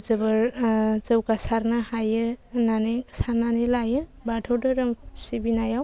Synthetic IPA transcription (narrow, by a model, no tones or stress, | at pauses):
zɯbɯɾzɯwɡasaɾnɯhajɯnanesaɾnanelajɯbadʰʱəwdɯɾɯmsibinajaw